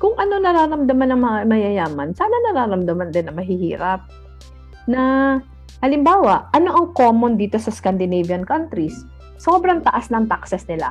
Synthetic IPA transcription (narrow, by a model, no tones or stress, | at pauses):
kʊŋʔɐno̞nɐɾaːɾɐmd̪ɐmanɐŋmɐŋamɐjɐjaːmɐnsaːnɐnɐɾaːɾɐmd̪ɐmand̪ɪnːɐmɐɦɪhḭːɾɐp̚ | nɐ | hɐlɪmbaːwɐʔʔɐno̞ʔɐŋko̞ːmond̪iːt̪o̞sɐskɐnd̪ɪnɛjviɐnkant̪ɾis | so̞ːbɾɐŋt̪ɐʔasnɐŋt̪aksɛsnɪla̰